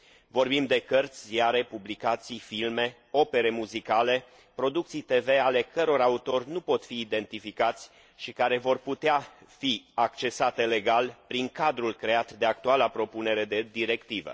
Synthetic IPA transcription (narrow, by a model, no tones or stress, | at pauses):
vo̞rbimd̪e̞kərt̪sʲjaɾe̞publikat̪sijfilme̞ | o̞pe̞ɾe̞muzikale̞ | pɾo̞d̪uk̚t̪sijt̪e̞ve̞ale̞kəɾo̞ɾaut̪o̞rʲnupo̞t̪fiːd̪e̞nt̪ifikat̪sʲ | ʃikaɾe̞vo̞rput̪eafiakt͡ʃe̞sat̪e̞le̞ɡalpɾiŋkad̪ɾulkɾe̞at̪d̪e̞ak̚t̪ualapɾo̞pune̞ɾe̞d̪ed̪iɾe̞kt̪ivə̰